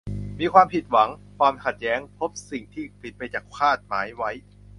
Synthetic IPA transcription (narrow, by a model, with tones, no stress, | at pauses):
miː˧kʰwaː˧mpʰi˨˩t̪̚wa˩˦ŋkʰwaː˧mkʰa˨˩t̪̚jɛː˦˥ŋpʰo˦˥p̚si˨˩ŋt̪ʰiː˥˩pi˨˩t̪̚pa˧jt͡ɕaː˨˩k̚kʰaː˥˩t̪̚maː˩˦jwa˦˥j